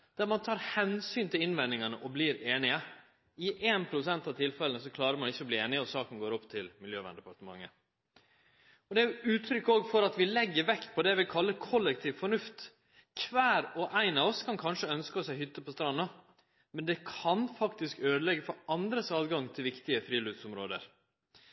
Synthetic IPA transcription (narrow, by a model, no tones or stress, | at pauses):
d̪̥æɾmɑnt̪ʰɑːɾhɛnsyːnt̪ɪlɪnʋɛnɪŋɑnəʔɔbliːɾeːnɪə | ɪʔeːnpʰɾʊsɛnt̪ɑʋt̪ʰɪlfɛlənəsɔkʰlɑːɾəɾmɑnɪçːəɔbliːeːnɪəɔsɑːkən̩ɡoːɾɔpːt̪ʰɪlmɪljøːʋæ̰nd̪ɛpɑʈ̪əmɑ̰ŋːə | ɔd̪ɛæjʉʉːt̪ʰɾʏkːoːɡfɔɾɑt̪ʋɪlɛɡːəɾʋɛkt̪̚pʰɔd̪ɛʋɪkʰɑlːəkʰɔlːɛk̚t̪ʰiːʋfɔɳʉft̪ | kʰʋæːɾɔʔæɪnɑʋɔskʰɑnkʰɑnʂəœnskəɔsæɪhʏt̪ːəpɔst̪ɾɑnːɑ | mɛnd̪ɛkʰɑnfɑkt̪ɪskøːd̪əlɛɡːəfɔɾɑnd̪ɾəsɑːd̪ɡɑŋt̪ʰɪlʋɪkt̪ɪəfɾiːlʉːd̪sʊmɾoːd̪ə̰ɾ